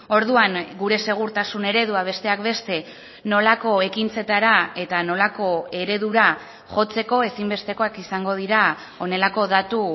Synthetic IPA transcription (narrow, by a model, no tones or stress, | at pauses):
o̞ɾðuaŋɡuɾe̞se̞ɣ̞uɾt̪asune̞ɾe̞ðuaβ̞e̞st̪e̞akbe̞st̪e̞ | no̞lako̞e̞kint͡se̞t̪aɾae̞t̪ano̞lako̞e̞ɾe̞ðuɾa | ʝo̞t͡se̞ko̞e̞simbe̞st̪e̞ko̞akisaŋɡo̞ð̞iɾa | o̞ne̞lako̞ðat̪u